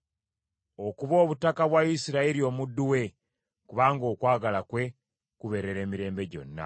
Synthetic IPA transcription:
o̞kuβo̞ːβutakaβwaisiɾaiɾio̞ːmudːuwe̞ | kuβaːŋɡo̞ːkwaːɡalakwe̞ | kuβe̞ɾe̞ɾe̞ːmiɾe̞ːmbe̞ɟo̞̰nːa̰

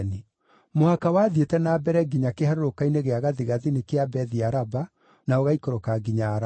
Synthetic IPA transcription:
ni | mohakawaːðietɛnaːbɛɾɛɡiɲakehaɾoɾokaineɣeaɣaðiɣaðinekeabɛðiaɾaba | naoɣaikoɾokaɡiɲaɾa

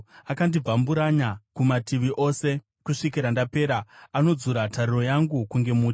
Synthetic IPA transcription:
akandib͡vambuɾaɲakumatiʋiʔo̞se̞ | kuʂikiɾandape̞ːɾaano̞d͡zuɾatʰaɾiro̞jaŋɡukuŋɡe̞muːt͡ʃ

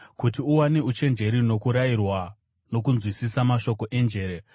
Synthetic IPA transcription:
kutiuwaneut͡ʃe̞nd͡ʒe̞ɾino̞kuɾairwa | no̞kunzwisisamaʃo̞ko̞ʔe̞nd͡ʒe̞ːɾe

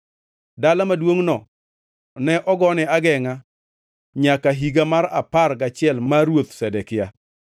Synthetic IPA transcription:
dalamadwoŋnɔ | nɛʔɔɡɔnɪaɡɛŋa | ɲakaɦiɡamaɾa̰parɡat͡ʃɪɛlmmaɾwot̪sɛdɛkɪja

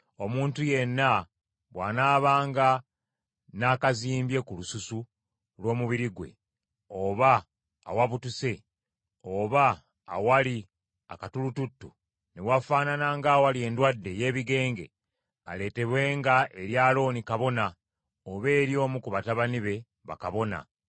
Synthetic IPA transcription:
o̞muːntuje̞nːa | βwa̰naːβaːŋɡa | naːkaziːmbje̞kulususu | lwo̞ːmuβiɾiɡwe̞̰ | oβa̰ː | waβutuse̞ | oβa̰ː | wali | akatulututːu | newafaːnanaŋɡawalie̞ndwadːe̞je̞ːβiɡe̞ːŋɡe̞̰ | a̰le̞ːte̞βwe̞ːŋɡaʔe̞ɾjaːlo̞ːnikaβo̞na | oβe̞ːɾjo̞ːmukuβataβaniβe̞ | βa̰kaβo̞na̰

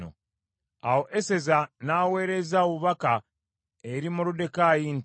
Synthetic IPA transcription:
o̰ | awo̞ʔese̞zanaːwe̞ːɾe̞zaβuβaka | eɾimulude̞kaːjint

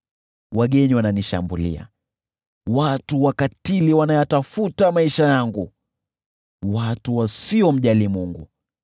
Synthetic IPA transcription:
waɠɛɲiwananiʃa̰mbulḭa̰ | watuwakatiliwanajatafutamaiʃajaŋɡu | watuwasiɔm̩ʄalimuŋɡṵ

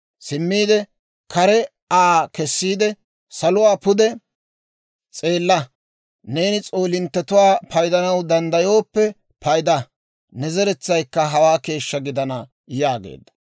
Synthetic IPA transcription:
sɪmːiːd̪ɛ | kʰɐɾɛ | aːkɛsːiːd̪ɛ | sɐlʊwaːpʊd̪ɛ | t͡sʼe̞ːlːɐ | ne̞ːnɪt͡sʼoːlɪnt̪ːɛt̪ʊwaːpɐjd̪ɐnɐwd̪ɐnd̪ɐjo̞ːpːɛ | pɐjd̪ɐ | nɛzɛɾɛt͡sːɐjkːɐɦɐwaːke̞ːʃːɐɡɪd̪ɐnɐ | jaːɡḛːd̪ːɐ̥

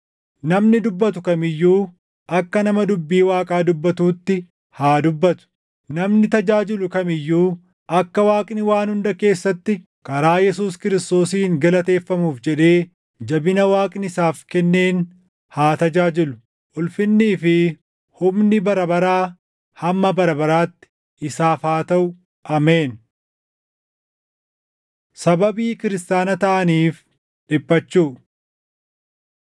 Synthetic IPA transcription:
nɐmnɪd̪ʊbːɐt̪ʊkɐmɪjːuː | ʔɐkːɐnɐmɐd̪ʊbːiːwaːkʼaːd̪ʊbːɐt̪uːt̪ːɪ | haːd̪ʊbːɐt̪ʊ̥ | nɐmnɪt̪ɐd͡ʒaːd͡ʒɪlʊkɐmɪjːuː | ʔɐkːɐwaːkʼnɪwaːnhʊnd̪ɐke̞ːsːɐt̪ːɪ | kɐɾaːjɛs̬uːskɪɾɪst̪o̞ːsiːŋɡɐlɐt̪e̞ːfːɐmuːfd͡ʒɛᶑe̞ː | d͡ʒɐbɪnɐwaːkʼnɪsaːfkɛnːe̞ːn | haːt̪ɐd͡ʒaːd͡ʒɪlʊ̥ | ʔʊlfɪnːiːfɪ | hʊmnɪbɐɾɐbɐɾaː | hɐmːɐbɐɾɐbɐɾaːt̪ːɪ̥ | ʔɪsaːfaːt̪ɐʔʊ | ʔɐme̞ːn | sɐbɐbiːkɪɾɪst̪aːnɐt̪ɐʔɐniːf | ᶑɪpːɐt͡ʃːuː

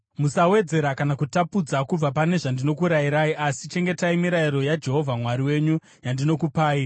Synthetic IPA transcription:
musawe̞d͡ze̞ɾakanakutapud͡zakub͡vapane̞ʐandino̞kuɾajiɾaiʔasit͡ʃe̞ŋɡe̞taimiɾaiɾo̞jad͡ʒe̞ɦo̞vʱamwaɾiwe̞ːɲu | jandino̞kupaːi

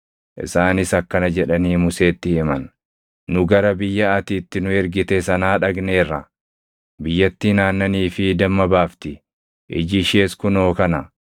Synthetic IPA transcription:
ʔɪ̰saːnɪsɐkːɐnɐd͡ʒɛᶑɐniːmʊse̞ːt̪ːɪhɪmɐnː | ʊɡɐɾɐbɪjːɐɐt̪iːt̪ːɪnʊɛɾɡɪt̪ɛsɐnaːᶑɐɡne̞ːrːɐ | bɪjːɐt̪ːinaːnːɐniːfɪd̪ɐmːɐbaːft̪ɪ | ʔɪ̰d͡ʒɪʃe̞ːskʊno̞ːkɐnɐ

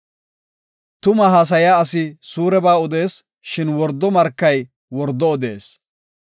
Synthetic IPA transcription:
t̪ʊmɐɦaːs̬ɐjaːɐsɪsuːɾɛbaːʊd̪e̞ːs | ʃɪnwɔɾd̪ːɔmɐɾkːɐj | wɔɾd̪ːɔːd̪ḛːs

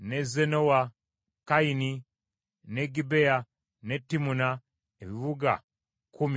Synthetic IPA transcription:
nezenowa | kaini | neɡibea | netːimuna | eβiβuɡa̰ | kumi

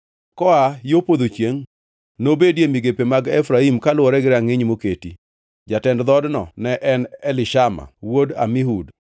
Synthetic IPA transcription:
kɔajopod̪ot͡ʃjeŋ | nobedjemiɡepemaɡɛfɾaimkalwɔɾɛɡɪɾaŋɪɲmoketi | d͡ʒatɛndd̪ɔdnɔnɛʔɛnɛlɪʃama̰woda̰mɪɦud

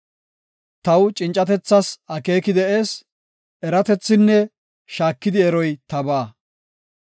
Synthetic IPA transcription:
t̪ɐwt͡ʃʼɪnt͡ʃʼːɐt̪ɛt͡sːɐsɐke̞ːkɪd̪ɛʔeːs | ʔɛɾɐt̪ɛt͡sːɪnːɛ | ʃaːkːɪd̪ɪɛɾɔjt̪ɐbaː

